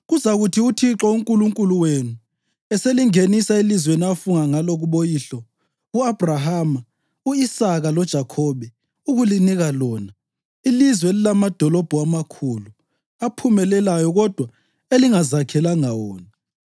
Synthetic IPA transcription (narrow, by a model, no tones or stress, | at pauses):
ɣuzaɣutʰiutʰiǁɔuŋkʼuluŋkʼuluwenu | ɛseliŋenisailizweniafuŋaŋaloɣuβojiɬɔ | uab̥ʱraɦama | uisaɣalɔd̥ʒ̥ʱakʰɔβɛ | uɣuliniɣalɔːna | ilizwɛelilamad̥ʱɔlɔb̥ʱuamakʰulu | apʰumɛlɛlajɔɣɔd̥ʱwa | eliŋazakʰɛlaŋawɔ̰ːna